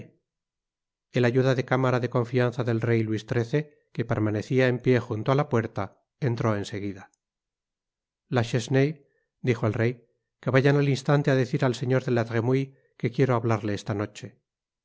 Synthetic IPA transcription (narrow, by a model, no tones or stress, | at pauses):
e̞laʝuðaðe̞kamaɾaðe̞kõ̞ɱfianθaðe̞lre̞jlwist̪ɾe̞θe̞ | kepe̞ɾmane̞θiae̞mpje̞xunt̪oalapwe̞ɾt̪a | ent̪ɾo̞e̞nse̞ɣ̞iða | laʃesnej | d̪ixoelre̞j | ke̞βaʝanalinst̪ant̪eaðe̞θiɾalse̞ɲo̞ɾðe̞lat̪ʁemuij | ke̞kje̞ɾoaβlaɾle̞est̪ano̞t͡ʃe̞